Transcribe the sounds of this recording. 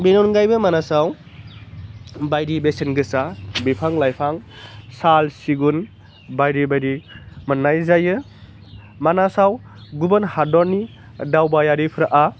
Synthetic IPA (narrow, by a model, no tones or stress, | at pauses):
benɔnɡajbɯmanasaw | bajɾibesenɡɯsabipʰaŋlajpʰaŋsalsiɡun | bajɾibajɾimɯnːajzajɯ | manasawɡubənhadɔɾni | dawbajaɾipʰɾaʔa